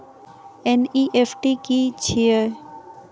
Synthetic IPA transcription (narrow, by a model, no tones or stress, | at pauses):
eniʔefʰʈikit͡ɕʰiə